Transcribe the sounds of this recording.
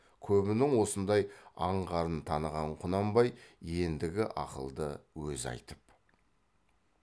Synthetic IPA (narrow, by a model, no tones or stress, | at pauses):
kʲʰɵbɪnɪŋwo̞sənd̪ɑjɑɴʁɑɾənt̪ʰɑnəʁɑɴqʰʊnɑmbɑjje̞nd̪ɪɡʲɪʔɑ̰qə̰lˠd̪əwɵzɑ̰jt̪əp